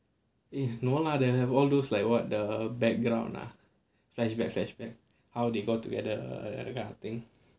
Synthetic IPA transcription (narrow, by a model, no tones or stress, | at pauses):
inoladeɛvɔldoslaɪk̚wɔt̚dəbɛk̚ɡɹã̰w̃nla̰ | flɛʃbɛk̚flɛʃbɛk̚ | hawdeɡotuɡɛdə̰kat̪ĩŋ